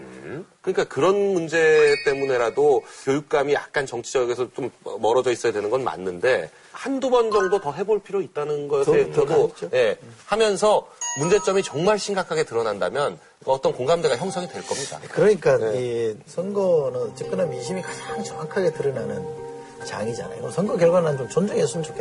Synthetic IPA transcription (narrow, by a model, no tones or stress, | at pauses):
kɯɲik͈akɯɾʌnmund͡ʑe̞t͈e̞mune̞ɾadokjojuk̚k͈amija̰k̚k͈ant͡ɕʌŋt͡ɕʰid͡ʑʌɡe̞sʰʌt͡ɕomʌ̰ːʌɾʌd͡ʑʌis͈ʌjadwe̞nɯnɡʌnma̰nːɯnde̞ | handubʌnd͡ʑʌŋdotʌɦe̞boɭpʰiɾjoit̚t͈anɯnɡʌtaɡoje̞hamjʌnsʰʌmund͡ʑe̞t͡ɕ͈ʌmit͡ɕʌŋmaɭɕʰimŋɡakʰaɡe̞tɯɾʌnandamjʌn | kʌt͈ʌnkoŋɡamde̞ɡaçjʌŋsʰʌŋidwe̞ɭk͈ʌmɲida̰kɯɾʌɲik͈aisʰʌnɡʌnɯnt͡ɕip̚k͈ɯnanmiɕʰimikad͡ʑaŋt͡ɕʌŋakʰaɡe̞tɯɾɯnanɯn | t͡ɕa̰ŋid͡ʑa̰na̰jo̰ʌsʰʌŋɡʌkjʌɭɡwanant͡ɕomt͡ɕʌnd͡ʑɯŋesʰunnt͡ɕʰokʰe